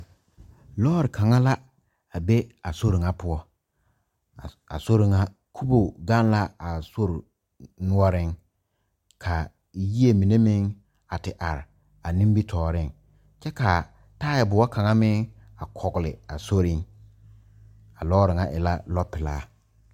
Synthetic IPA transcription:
lɔː˦ɾɪ˨kʰa˨ŋa˦la˦ | a˨be˦a˨so˦ɾɪ˨ŋa˦pʊ˦ɔ˦ | a̰˨so˦ɾɪ˨ŋa˦ | kʰu˦bo˨ɡa˦n˦la˦a˨so˦ɾʊ˨ | nʊ˦ɔ˦ɾɪ˦ŋ | kʰa˨ | ji˦e˨mi˨ne˦mɪ˦ŋ | a˨tɪ˨ʔa˨ɾɪ˨ | a˨nĩ˦mbi˦tʰɔː˨ɾɪ˦˨ŋ | t͡ʃɛ˦ka˨ | taː˦jɛ˨bʊ˨wa˦kʰa˨ŋa˦mɪ˦ŋ | a˨kʰɔ˨ɡlɪ˨a˨so˦ɾɪ˦ŋ | a˨lɔː˦ɾɪ˨ŋa˨˦ʔɪ˨la˦lɔ˦pɪ˨laː˦

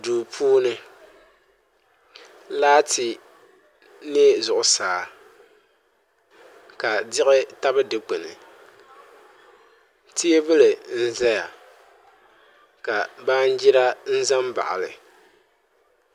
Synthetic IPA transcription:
duː˨pʰuː˦nɨ˦ | laː˦tʰɪ˨ | ne˦zʊ˨ʔʊ˨saː˨˦ | ka˨dɪ˦ɣɪ˦ta˦bɨ˦dɨ˨k͡pɨ˨nɨ̰˨ | ti˦e˦bɨ˦lɨ˨n̩˦za˦ja˨ | ka˨baː˦n˦d͡ʒi˦ɾa˦n̩˦za˦mba̰˨ʔa̰˨lɨ̰˨

